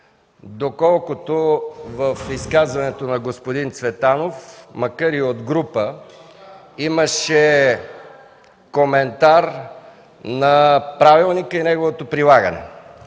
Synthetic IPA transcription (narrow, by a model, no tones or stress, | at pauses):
d̪okɔlˠkʊt̪ovəfiskazvɐnɛt̪onɐɡospod̪int̪svɛt̪anofmɐkaɾiod̪ɡɾupə | iməʃɛ | komɛnt̪aɾ | nɐpɾavilˠnikəinɛɡovot̪opɾilˠaɡənɛ̰